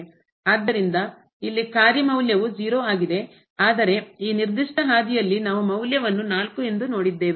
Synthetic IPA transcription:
aːd̪ːɐɾind̪ɐ | ilːikaːɾjɐmɐwljɐʋud͡ʒiːɾoːaːɡid̪e̞ | aːd̪ɐɾe̞iːniɾd̪iʂʈɐɦaːd̪ijɐlːinaːʋumɐwljɐʋɐnːunaːlkue̞nd̪uno̞ːɽid̪ːe̞ːʋe

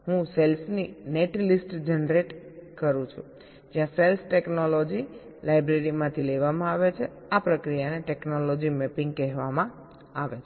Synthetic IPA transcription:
ɦũselsnineʈlisʈd͡ʒənɾeʈkəɾũt͡ʃʰṵ | d͡ʒjãselsʈeknolod͡ʒi | lajbɾeɾimãt̪ʰileʋamãaʋet͡ʃʰe | apɾəkɾijaneʈɛknolod͡ʒimɛpɪ̃ŋɡkɛɦʋamã | aʋet͡ʃʰ

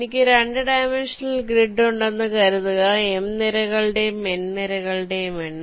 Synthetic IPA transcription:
nikʲːɨɾeɳɖɨɖɐjmenʂɐnɐlɡriɖːuɳɖenːɨkɐɾuðuɣɐemniɾɐɣɐɭɨɽejumenniɾɐɣɐɭɽejumenː

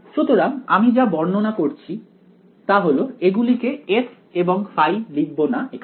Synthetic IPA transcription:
ʃut̪oɾaŋamid͡ʑabɔɾnonakoɾt͡ɕʰi | t̪aɦoloeɡulikees | eboŋfajliɡbonaekʰ

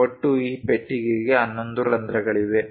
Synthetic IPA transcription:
oʈːuiːpeʈːiɡiɡe̞ɐnːo̞nd̪uɾɐnd̪ɾɐɡɐɭiʋ̪e

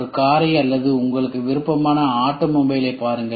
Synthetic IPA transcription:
ɾɯkaːɾɐɪjɐlːɐðɯʊŋɡɐɭɯkːɯʋɪɾɯpːɐmaːnɐaːʈːɐmɔmbɐjɪlɐpːaːɾɯŋɡɐ

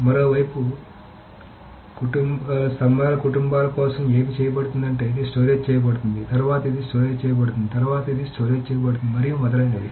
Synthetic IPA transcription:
mɐɾo̞ːʋɐjpu | kuʈumsɐmaːlɐkuʈumbaːlɐkɔːsɐme̞ːmit͡ʃɛːjɐbɐɽut̪und̪ɐɳʈeid̪esʈoːɾeːd͡ʒt͡ʃɛːjɐbɐɽut̪und̪it̪ɐɾuʋaːt̪ɐid̪isʈoːɾeːd͡ʒt͡ʃɛːjɐbɐɽut̪und̪it̪ɐɾuʋaːt̪ɐid̪isʈoːɾeːd͡ʒt͡ʃɛːjɐbɐɽt̪und̪imɐɾijumɔd̪ɐʈɐɳɖed̪i

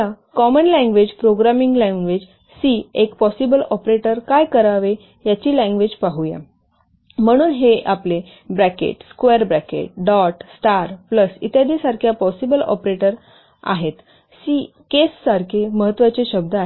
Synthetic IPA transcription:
a | kɔmənlɛ̃ŋɡʋed͡ʑpɾoɡɾamiŋɡlɛ̃ŋɡʋed͡ʑ | siekpɔsibəlɔpɾeʈəɾkajkəɾaʋe | jat͡ɕiːlɛ̃ŋɡʋed͡zpaɦuja̰ | m̤əɽ̃uːnɦeʔaple | bɾækḛʈskʋeɾbɾɛkḛʈ̚ɖɔʈsʈaɾpləsḭt̪jad̪isaɾkʰjapɔsibəlɔ̰pɾeʈəɾ | a̰ɦet̪ | si | kesːaɾkʰeməɦət̪ːʋat͡ɕeɕəb̚d̪ʱaaɦ

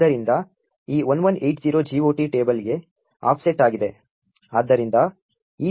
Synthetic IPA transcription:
ɐɾind̪ɐ | iːʋɐnʋɐnejʈziːɾoːd͡ʒiːʋoːʈiʈe̞ːbɐliɡe̞ | a̰ːpʰseʈaːɡid̪e̞ | aːd̪ːɐɾind̪ɐ | iː

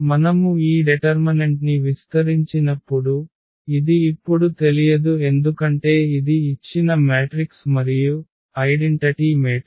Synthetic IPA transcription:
mɐnɐmuiːɖeʈɐɾmɐneɳʈniʋist̪ɐɾiɲt͡ʃinɐpːuɽu | id̪iːpːuɽut̪e̞lijɐd̪ue̞nd̪ukɐɳʈe̞ːid̪iit͡ʃːinɐmaːʈɾiksmɐɾiju | ɐjɖeɳʈɐʈimeː

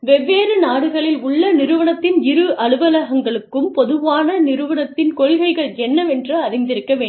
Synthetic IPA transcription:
ʋɛʋːeːɾɯnaːɽɯɣɐɭɪlʊɭːɐnɪɾɯʋɐɳɐt̪ːɪnɪɾɯʔɐɭɯʋɐlɐɣɐŋɡɐɭɯkːɯmpɔðɯʋaːnɐnɪɾɯʋɐɳɐt̪ːɪnkɔɻɣɐɪɣɐɭɛnːɐʋɛndrɯɐɾɪnd̪ɪɾɯkːɐʋeː

